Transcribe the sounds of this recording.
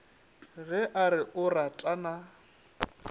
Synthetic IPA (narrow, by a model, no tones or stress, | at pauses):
ɣɪʔaɾɪʔʊratʼana